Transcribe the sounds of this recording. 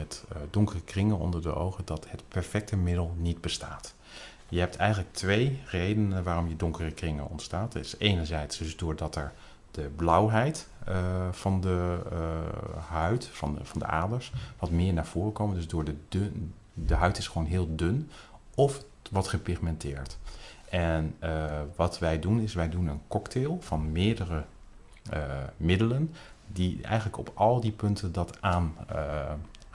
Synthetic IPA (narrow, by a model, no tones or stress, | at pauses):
mɛtdʊŋkərəkrɪŋənɔ̰ndəɹdə̰ʔo̰wχədɑthətpɛɹfɛk̚təmɪdəlˠnid̚bəstaːt | jəɦɛp̚tʰɛjχənlək̚tʋejrejdənəʋaːrɔmjədʊŋkərəkrɪŋə̰nɔ̰ntstaːtsejnəɹzɛjtsd̥ɵzdʊːɹdɑtɛɹ | d̥əblʌwɦɛjt | fɑndə | ɦœɥtfɑnfɑndə̰ʔa̰ːdəɹsʋɑtmɪːɹnaːɹv̥oːrəkowməndɵsdʊːɹdəd | dəɦœɥtɪsχʋownɦɪːlˠdøn | ɔf | ʋɑtχəpɪχmɛntʰɪːɹtʔɛnəʋɑtʋɛjdunɪsʋɛjdunənkɔktelˠv̥ɑnmɪːɹdərə | əmɪdələndiʔɛ̰jχənləkɔ̰pʰɑlˠdipɵntʰəndɑtaːn